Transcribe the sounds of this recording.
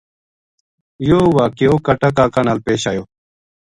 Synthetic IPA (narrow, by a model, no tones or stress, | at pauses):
joːwaːkeoːkɐʈakaːkanalpeːɕaːjoː